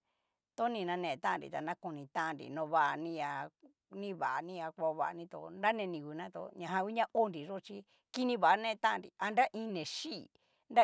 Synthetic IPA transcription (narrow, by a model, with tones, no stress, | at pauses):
t̪o˦nĩ˧nã˧nẽ˧t̪ã˦˧nɾḭ˨t̪a˨nã˦ko˧nĩ˧t̪ã˦˧nɾḭ˨nõ˧βa˧ʔa˧nĩ˧ja˧ | nĩ˦βa˨a˨˧nĩ˦˧a˧kʷa˧βa̰˧nĩ˧t̪o̰˧˨nda˦nẽ˧nĩ˧˨kʷi˨nã˦t̪o̰˧ɲã˧ɦã˧wʷi˦ɲã˦ʔo˦nɾi˨ʐo˦˧t͡ʃi˧ | ki˦nĩ˧βa˨ʔa˦nẽ˦˧t̪ã˦˧nɾi˨a˧nda˦ʔĩ˧˦nẽ˨ʃi˦˧˨ | nda˦